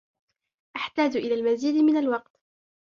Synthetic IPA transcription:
ʔaħt̪aːd͡ʒʔɪlaːlmaziːd̪mɪnalwɑq̚t̪

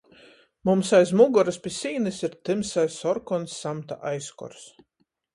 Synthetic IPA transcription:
mumsajzmuɡɔɾaspʲisʲiːnɨsiɾt̪ɨmsajsɔɾkɔnsːamt̪a̰ʔajskɔ̰ɾs

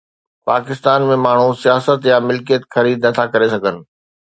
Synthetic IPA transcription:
paːkɪst̪aːnmẽmaːɳ̤usijaːsət̪jamɪlkijət̪xɐɾiːd̪nɐt̪ʰakɐɾesɐɡʱənɪ̆

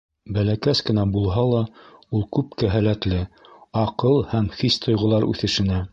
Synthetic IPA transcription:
bælækæskɘ̆næbulˠɦɑlˠɑulˠkʉp̚kæɦælæt̪lɘɑqɤlˠhæmχist̪ŏjʁŏlˠɑɾʉ̰θɘ̆ʃɘ̆næ

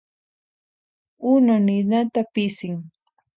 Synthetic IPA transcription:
ʊnonɪnat̪apɪsɪŋ

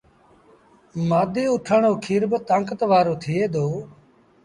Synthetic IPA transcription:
maːd̪eːʊʈʰəɳoːkʰiːɾbət̪aːŋkət̪ʋaːɾoːt̪ʰɪeːd̪oː

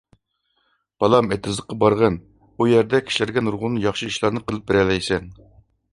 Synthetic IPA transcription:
b̥ɑlˠɑmet̪ʰɨzd̪əqːɑbɑɾʁɑn | ujɛɾd̪ɛkʲʰi̥ʃilɪɾɡʲɛnuɾʁʊlˠnɨjɑχʃɨiʃlˠɑɾnɨqʰəlˠɨp̚beɾɛlɛjsɛn

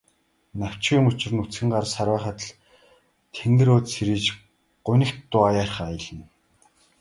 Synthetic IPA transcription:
naw̥ʲt͡ɕɡʲiːŋʊt͡ɕɪ̆rɘ̆nut͡sxɘ̆ŋɢarsaɾwæːχə̆t̪ɮ | t̪ʰeŋɡ̪ɘ̆ɾoːt̪seɾiːt͡ɕ | ɢ̥ʊnʲɘ̆kt̪ːʊajaːrχajə̆ɮɘ̆n

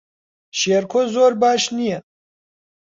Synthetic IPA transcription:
ʃeːɾkʰozoːɾbaːʃnijɛ

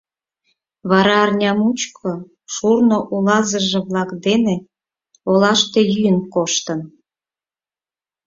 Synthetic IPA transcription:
βɑɾɑːrnʲɑmut͡ɕkʰo | ʃurnoʔulɑzəʒĕβlɑkd̪ene | olɑʃt̪e̽jyjənkoʃt̪ən

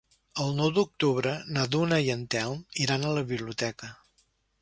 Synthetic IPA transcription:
əlˠnɔwd̪uk̚t̪uβɾənəðunəiənt̪ɛlˠmiɾanələβiβliut̪ɛkə

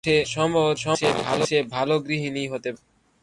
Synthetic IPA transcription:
ʈʰeʃɔmoɾʃɔʃebʱa̰loʃebʱaloɡɾiɦiniɦot̪ep

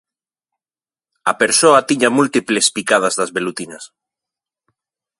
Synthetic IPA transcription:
ɐpeɾsoat̪iɲamult̪iplespikað̞azðazβelut̪inɐs

